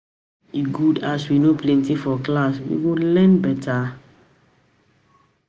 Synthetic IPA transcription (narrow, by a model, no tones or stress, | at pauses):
iɡudaswinopʰlɛ̃ntifɔklaswḭwulɛ̃nbɛtʰa